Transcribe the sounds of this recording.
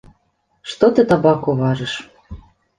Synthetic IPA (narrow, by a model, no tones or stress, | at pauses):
ʃt̪ot̪ĕt̪ɑbɑkoβɑʒɤ̆ʃ